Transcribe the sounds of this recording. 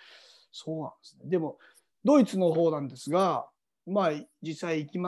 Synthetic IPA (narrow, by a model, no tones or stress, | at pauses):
so̞ːnã̰nd̪esɨ̥ne̞d̪e̞mo̞ | d̪o̞it͡sɨno̞ɦo̞ːnãnd̪e̞sɨɡa | maːd͡ʑisːaiːkʲima